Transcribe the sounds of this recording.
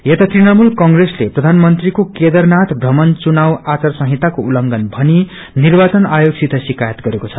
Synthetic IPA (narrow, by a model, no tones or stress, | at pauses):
jet̪at̪rinʌmulkʌŋɡresleprʌd̪ʱanmʌnt̪rikoked̪ʌrnat̪bʱʌmʌnt͡sunawat͡sʌrsʌɦit̪akoulʌŋɡʌnbʱʌni | nirbat͡sʌnajoɡsit̪ʰʌsikajʌt̪ɡʌɾekot͡sʰʌ̥